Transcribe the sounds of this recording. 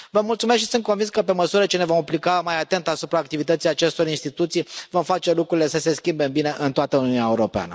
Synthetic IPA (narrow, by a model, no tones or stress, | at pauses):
vəmult̪sumesk̪tʃisɨnt̪̚kovinskəpe̞məsuɾət͡ʃene̞vo̞maplikamajat̪e̞nt̪asupɾaːk̚t̪ivit̪ət̪sijat͡ʃe̞st̪o̞ɾinst̪it̪ut̪sijvo̞mfat͡ʃe̞lukɾuɾile̞səse̞skʲimbe̞mbine̞ʔɨnt̪oat̪əuniuneaeuɾo̞pea̰nə̰